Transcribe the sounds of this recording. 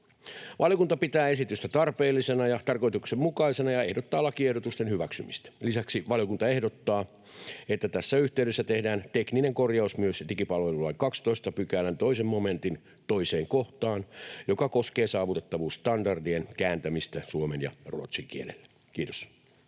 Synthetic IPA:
ʋɑljokunt̪ɑpit̪æːesit̪yst̪æt̪ɑrpeːlːisenɑjɑt̪ɑrko̞jt̪uksemmukɑisenɑjɑe̞hdot̪ːɑːlːɑkie̞hdot̪ust̪enhyʋæksymist̪æ̥lisæksiʋɑljokunt̪ɑe̞hdot̪ːɑː | et̪ːæt̪æsːæyht̪eyɾesːæt̪ehdæːnt̪eknineŋkorjɑusmyøslikipɑlʋelulːɑikɑkst̪oist̪ɑpykæːlænt̪oisemmome̞nt̪in | t̪oise̞ːŋkoht̪ɑːnjo̞kɑko̞skeːsɑːʋut̪et̪ːɑʋuːst̪ɑndɑrdienkæːnt̪æmist̪æsuomenjɑ̰ruot̪siŋk̟ielḛlːe | k̟iːt̪o̥s

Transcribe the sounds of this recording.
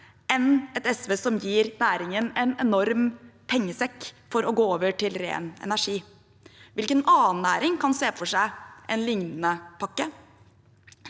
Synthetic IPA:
ɛnɛt̪ɛsʋeːsɔmjiːɾnæːɾɪŋənɛnɛnɔɾmpʰɛŋːəsɛkfɔɾɔɡoːoːʋəʈɪlɾḛːnɛ̰næʂiː | ʋɪlkənɑːnːæːɾɪŋkʰɑnseːfɔʂæɪʔɛ̰nlɪŋnənəpʰɑkːə

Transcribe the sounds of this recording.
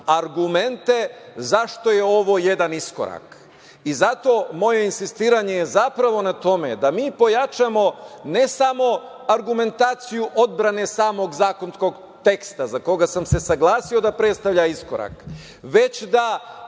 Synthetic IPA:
aɾɡume̞nt̪e̞zaʃt̪o̞je̞o̞ʋo̞ːjed̪anisko̰ɾa̰k | izat̪o̞ːmo̞je̞insist̪iːɾaɲe̞jezapɾaʋo̞nat̪o̞me̞̰d̪amiːpo̞jat͡ʃamo̞ne̞samo̞ | aɾɡume̞nt̪aːt̪sijuʔo̞d̪̚bɾane̞saːmo̞ɡzaːko̞nsko̞ɡ | t̪e̞kst̪azako̞ɡasamse̞saɡlˠaːsio̞d̪apɾe̞t̪st̪aʋʎaiskoɾa̰k | ʋe̞t͡ɕd̪a

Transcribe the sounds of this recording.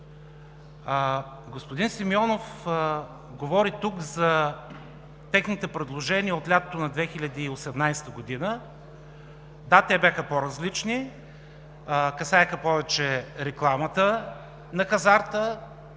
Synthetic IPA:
ɡospʊd̪insimiɔnof | ɡovɔɾit̪ukzɐ | t̪ɛxnit̪ɛpɾɛd̪lˠoʒɛniəot̪lʲat̪ot̪onɐd̪vɛxilʲɐd̪iːosɛmnajst̪əɡod̪inə | d̪at̪ɛbʲaxəpoɾɐzlit͡ʃni | kɐsajxəpɔvɛt͡ʃɛɾɛklˠamət̪ə | nɐxɐzaɾt̪ə

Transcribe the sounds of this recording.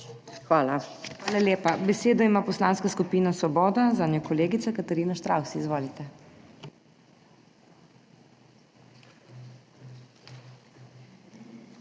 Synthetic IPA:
xʋaːlaxʋaːlaljeːpabɛseːd̪ɔimaːpɔslaːnskaskupiːnasʋɔbɔːd̪azaːnjɔkɔleːɡit̪sakat̪ɛɾiːnaʃt̪ɾawsiizʋoːlit̪ɛ

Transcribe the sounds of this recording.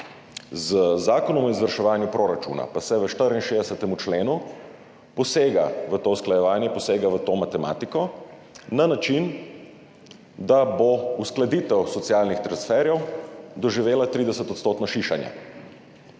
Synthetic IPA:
zzaːkɔnɔmɔizʋəɾʃɛʋaːnjupɾoɾat͡ʃṵːna̰pasɛʋəʃt̪əɾinʃeːd̪ɛsɛt̪ɛmut͡ʃleːnu | pɔseːɡa̰ʋət̪oːusklajɛʋaːnjɛpɔseːɡaʋət̪oːmat̪ɛma̰ːt̪ikɔ | nanat͡ʃin | d̪abousklad̪iːt̪ɛwsɔt̪siaːlnixt̪ɾansfɛɾjɛwd̪ɔʒiʋeːlat̪ɾiːd̪ɛsət̪ɔt̪st̪oːt̪nɔʃiʃanja̰

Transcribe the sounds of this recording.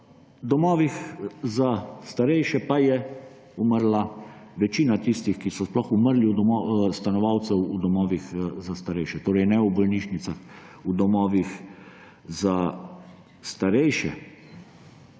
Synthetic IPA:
d̪ɔmɔːʋixzast̪aɾɛjʃɛpajɛ | uməɾlaʋɛt͡ʃiːnat̪ist̪ixkisɔsplɔxuməɾliud̪ɔmɔst̪anɔʋawt̪sɛwud̪ɔmɔːʋixzast̪aɾɛjʃɛt̪oːɾɛjnɛubɔlniʃnit̪sax | ud̪ɔmɔːʋix | za | st̪aɾɛjʃɛ̰

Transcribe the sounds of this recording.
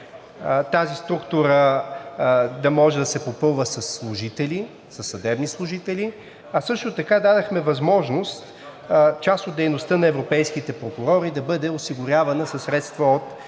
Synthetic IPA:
t̪azist̪ɾukt̪uɾə | d̪ɐmɔʒɛd̪ɐsɛpopɤlˠvəsɐsːlˠʊʒit̪ɛli | sɐsːɐd̪ɛbnislˠʊʒit̪ɛli | ɐsɤʃt̪ʊt̪ɐkad̪ad̪ɐxmɛvɐzmɔʒnost̪ | t͡ʃast̪ot̪d̪ɛjnost̪ənɐɛvɾopɛjskit̪ɛpɾokʊɾɔɾid̪ɐbɤd̪ɛosiɡʊɾʲjavɐnəsɐsːɾɛt̪st̪vəot̪

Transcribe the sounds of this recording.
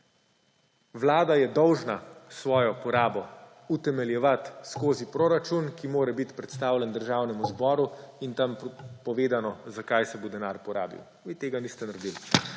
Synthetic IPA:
ʋlaːd̪ajɛd̪ɔwʒnasʋɔːjɔpɔɾaːbɔ | ut̪ɛmɛljɛʋat̪skoːzipɾoːɾat͡ʃunkimoːɾɛbit̪pɾɛt̪st̪aːwlʲɛnd̪əɾʒaːwnɛmuzbɔːɾuint̪ampɔʋeːd̪anɔzakajsɛbod̪ɛnaːɾpɔɾa̰ːbḭw | ʋiːt̪eːɡaniːst̪ɛnaɾd̪il

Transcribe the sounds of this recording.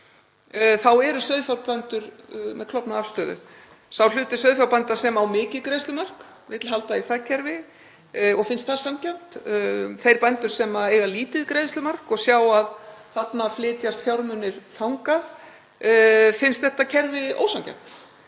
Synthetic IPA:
θawɛɾʏsœɥðfjawlpant̪ʏɾmɛðkʰlɔpnaafst̪œːðʏ̰ | sawlʏːt̪ɪsœɥðfjawpant̪asɛmawmɪːcɪðkɾejst̪lʏmar̥k | vɪt̪lɪ̥halt̪aiθacʰɛɾvɪ | ɔɣfɪnst̪̚θḁsamcajm̥t̪θejɾpajnt̪ʏɾ̥sɛmaeːjɣaliːt̪ɪðkɾejðslʏmar̥kɔɣsjawaðθat̪naflɪːt̪jast̪fjawɾmʏnːɪɾ̥θawŋkað | fɪnst̪θɛht̪acʰɛɾvɪo̰ːwsamcɛ̰jm̥t̪

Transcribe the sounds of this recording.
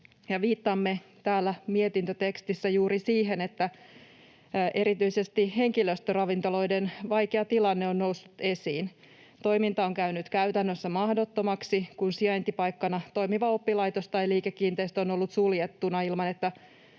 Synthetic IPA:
jɑʋiːt̪ːɑmːe̞t̪æːlːæmiet̪int̪øt̪e̞kst̪isːæjuːɾisiːɦe̞net̪ːæ | ʔe̞ɾit̪yisest̪ihe̞ŋkiløst̪ørɑʋint̪o̞lo̞jdenʋɑjkeɑt̪ilɑnːeonːousːut̪e̞siːn | t̪o̞imint̪ɑoŋkæynyt̪kæyt̪ænːøsːæmɑhdo̞t̪ːomɑksikunsiɑjnt̪ipɑjkːɑnɑt̪o̞imiʋɑopːilɑjt̪ost̪tɑjliːkekːiːnt̪eist̪o̞no̞lːut̪suljet̪ːunɑilmɑnet̪ːæ

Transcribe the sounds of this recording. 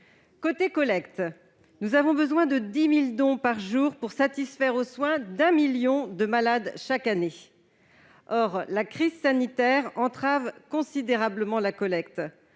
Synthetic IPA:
kot̪ekɔlɛkt̪ | nuzavɔ̃bəzwɛ̃d̪əd̪imild̪ɔ̃paʁʒuʁpuʁsat̪isfɛʁoswɛ̃d̪ɛ̃miljɔ̃d̪əmalad̪ʃakane | ɔʁlakχizsanit̪ɛʁɑ̃t̪χavkɔ̃sid̪eʁabləmɑ̃lakɔlɛk̚t̪

